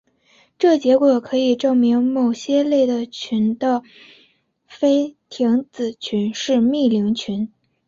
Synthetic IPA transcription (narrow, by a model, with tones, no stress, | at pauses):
ʈ͡ʂɤ˥˩t͡ɕjɛ˧˥kwɔ˨˩kʰɤ˧˥i˨˩ʈ͡ʂɤ˥˩ŋmi˧˥ŋmo˨˩ʊɕjɛ˥le˥˩ɪd̪ə˩t͡ɕʰy˧˥nd̪ə˧ | fe˥ɪt̪ʰi˧˥ŋt͡sɹ̩˨˩t͡ɕʰy˧˥nʂɻ̩˥˧mi˥˩li˧˥ŋt͡ɕʰy˧˥n